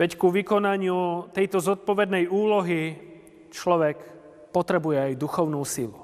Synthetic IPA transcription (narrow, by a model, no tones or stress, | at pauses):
ʋɛckuʋikɔnaɲɪut̪ɛjt̪ɔzɔt̪̚pɔʋɛd̪nɛjuːlɔɦi | t͡ʃlɔʋɛk | pɔt̪ɾɛbujɛajd̪uxɔʊnuːsilu